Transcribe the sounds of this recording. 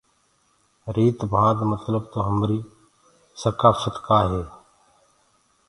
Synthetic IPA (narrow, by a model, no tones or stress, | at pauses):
ɾiːt̪bʱãːd̪mət̪ləbt̪oːɦəmɾiː | səkaːfət̪kaːɦeː